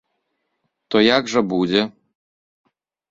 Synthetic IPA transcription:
t̪ɔjaɡʐɛbud͡zʲɛ

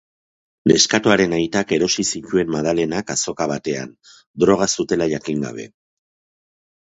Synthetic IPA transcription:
le̞skat̪oaɾe̞najt̪ake̞ɾo̞sisit̪ue̞mːað̞ale̞nakaso̞kaβ̞at̪e̞a̰n | d̪ɾo̞ɣ̞asut̪e̞laʝakiŋɡa̰β̞e̞̰

